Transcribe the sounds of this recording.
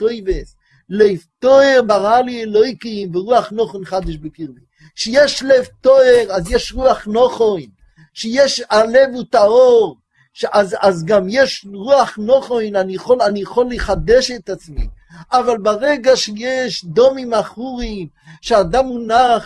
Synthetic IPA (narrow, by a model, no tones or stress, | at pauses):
tojves | lojvtoeʁbaʁaliɛlojkimveʁuaχnoχonχad̪ɪʃbekiʁbi | ʃejɛʃlɛvtoeʁazjɛʃʁuaχnoχojn | ʃejɛʃalevut̪aoʁ | ʃʔazazɡamjɛʃʁuaχnoχojnanijeχolanieχolːiχad̪ɛʃɛt̪at͡smḭ | avalbaʁɛɡaʃejɛʃd̪omimaχuʁim | ʃead̪amunaχ